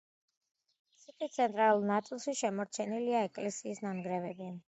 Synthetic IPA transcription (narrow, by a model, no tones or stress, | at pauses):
isɛt̪ʰit̪sʰɛnt̪ʼɾalulˠnat̪sʼilˠʃiʃɛmɔɾt͡ʃʰɛniliaɛkʼlɛsiːsnamɡɾɛvɛbiɛn